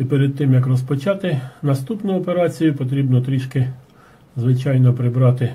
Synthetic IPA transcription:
ipeɾed̪̚t̪ɪmjɐkrɔspɔt͡ʃɑt̪ɪnɐst̪upnʊɔpeɾɑt͡sʲijʊpɔt̪ɾʲibnɔt̪ɾʲiʃkɪ | zʋɪt͡ʃɑjnɔpɾɪbɾɑt̪ɪ

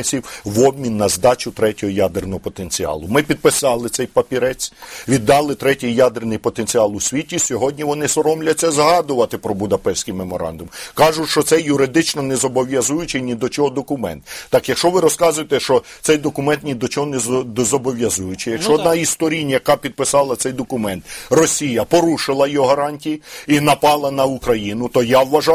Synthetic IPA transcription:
sʲiwʋɔb̚mʲinːɐzd̪ɑt͡ʃʊt̪ɾɛtʲɔɦɔjad̪ernɔɦɔpɔt̪enʲt͡sʲiɑ̰lˠʊmɪpʲid̪̚pɪsɑlˠɪt̪sɛjpɐpʲiɾɛt͡sʲʋʲid̪ːɑlˠɪt̪ɾɛtʲɪjːad̪ernɪjpɔt̪enʲt͡sʲiɑlˠʊsʲʋʲitʲisʲɔɦɔdʲnʲiʋɔnɪsɔɾɔmlʲɐt͡sʲːɐzɦɑd̪ʊʋɐt̪ɪpɾɔbʊd̪ɐpɛwsʲkɪjmemɔɾɑ̰nd̪ʊmkɑʒʊʃt͡ʃɔt̪sɛjʊɾɪd̪ɪt͡ʃnɔnɛzɔbɔʋʲjɐzujʊt͡ʃɪnʲid̪ɔt͡ʃɔɦɔd̪ɔkʊmɛ̰nt̪ːɑkjɐkʃt͡ʃɔʋɪɾɔskɑzʊjet̪ɛʃt͡ʃɔt̪sɛjd̪ɔkʊmɛnt̪nʲid̪ɔt͡ʃɔɦɔnɛzɔbɔʋʲjɐzujʊt͡ʃɪjɐkʃt͡ʃɔːd̪nɑist̪ɔɾʲinʲjɐkɑpʲid̪̚pɪsɑlˠɐt̪sɛjd̪ɔkʊmɛnt̪rɔsʲijɐpɔɾuʃɪlˠɐjɔɦɐɾɑnʲtʲijiinɐpɑlˠɐnɐukɾɐjinʊt̪ɔjawʋɐʒɑ

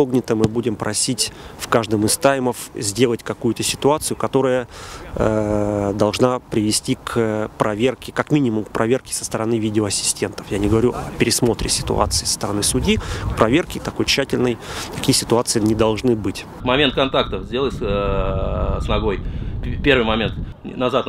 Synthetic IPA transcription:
oɡnʲɪt̪əmɨbudʲɪmpɾʔɐsʲitʲfkaʐd̪əmɪst̪ajməfzʲdʲe̞lˠətʲkɐkujʊt̪əsʲɪ̥t̪ʊat̪sɨjʊkɐt̪o̞ɾəjə | d̪ɐlˠʐnapɾʲɪvʲɪsʲtʲikʰəpɾɐvʲerkʲɪkɐkmʲinʲɪmʊmkpɾʔɐvʲe̞rkʲɪ̥sə̥st̪əɾɐnɨvʲidʲɪoɐsʲɪ̥sʲtʲe̞nt̪ə̥fjanʲɪɡəvɐɾʲuʔɐ̰pʲɪɾʲɪsmo̞t̪ɾʲɪsʲɪ̥t̪ʊ̰a̰t̪sɨɪːsə̥st̪əɾɐnɨsʊdʲikpɾʔɐvʲe̞rkʲɪt̪ɐko̞jt͡ɕːætʲɪlʲnəjt̪ɐkʲijəsʲɪt̪ʊat̪sɨɪnʲɪd̪ɐlˠʐnɨbɨtʲ | mɐmʲent̪̚kɐnt̪akt̪əfzʲdʲe̞lˠəs | snɐɡo̞jʲpʲe̞rvɨjmɐmʲent̪ | nɐzat̪

